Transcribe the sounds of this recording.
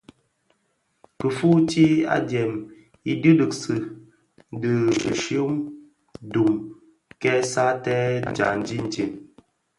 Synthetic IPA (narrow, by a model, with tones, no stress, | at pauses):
kə˨fu˦ti˦a̰˦dɛ˨m | i˦dɨ˦dɨ˨ksɨ˨ | dɨ˨ʃo˦m | du˨m | kɛ˦sa˦tɛ˦d͡ʒa̰˨n̩˨d͡ʒi˦n˨ti˨m